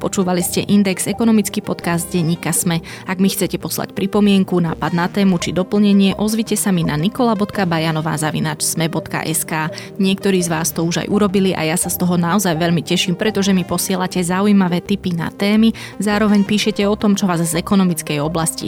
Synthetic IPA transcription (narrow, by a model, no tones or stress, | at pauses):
pɔt͡ʃuːʋaliscɛʔind̪ɛɡz̥ɛkɔnɔmit͡skipɔt̪kaːzd̪ɟɛɲːiːkasmɛ | aɡmixt͡sɛcɛpɔsla̰cpɾipɔmɪɛŋkunaːpad̪nat̪ɛːmut͡ʃid̪ɔpl̩ɲɛɲɪɛʔɔzʋicɛsamina̰nikɔlabɔt̪kabajanɔʋa̰ːzaʋḭnaːt͡ʃsmɛbɔt̪ka̰ʔɛskaː | ɲɪɛkt̪ɔɾiːzʋaːst̪ɔuʒa̰jʔuɾɔbiliʔa̰jasast̪ɔɦɔnaɔzajʋɛʎmicɛʃiːmpɾɛt̪ɔʒɛmipɔsɪɛlacɛzaujmaʋɛːt̪ipina̰t̪ɛːmi | zaːɾɔʋɛɲpiːʃɛcɛɔt̪ɔmt͡ʃɔʋaːzzɛkɔnɔmit͡skɛjɔblascḭ